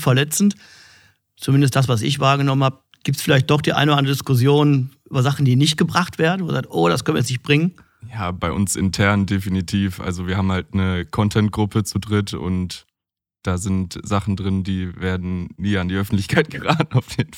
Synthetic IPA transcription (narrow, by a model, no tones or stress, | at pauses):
fɛɐlɛt͡sn̩t | t͡sumɪndəstd̥as̬v̥as̬ɪ̰çv̥aːɐɡənɔmənhap̚ | ɡ̥iːp̚tsfɪlaɪçt̚d̥ɔχd̥iːʔa̰ɪnoːdandʁədɪskʊs̬joːnʔyːbɐzaχn̩diːnɪçt̚ɡ̥əbʁaχtv̥eːɐdn̩voːɐzaːk̚tʔoːɾa̰skʰœnviɐɛsnɪçt̚b̥ʁɪŋən | jaːbaɪʔʊ̰nsʔɪ̰ntʰɛɐndefinitʰiːfʔa̰lzoviːɐhaːm̩haltnəkʰɔntʰɛnt̚ɡ̥ʁʊpʰət͡sudʁɪtʊ̰nt | d̥aːzɪntz̥aχn̩dʁɪndiːveːɐdn̩ːiːandiːʔœfn̩tlɪçkʰaɪt̚ɡ̥əʁaːtn̩aʊfjeːdn̩f